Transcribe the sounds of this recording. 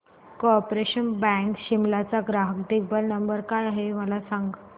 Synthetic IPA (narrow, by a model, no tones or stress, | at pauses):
kɔpɾeɕənbɛ̃ŋkɕimlat͡saɡɾaɦəkd̪ibəlnəmbəɾkajaɦeməlasãŋɡ